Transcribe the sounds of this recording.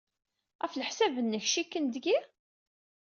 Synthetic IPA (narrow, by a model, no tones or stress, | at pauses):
æfləħsæbənːəçʃikːənd̪ɡi